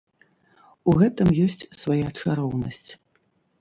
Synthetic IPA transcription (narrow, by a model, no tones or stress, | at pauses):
uɣɛt̪ɨmjɔsʲt͡sʲsvajat͡ʂaɾɔwnɐsʲt͡sʲ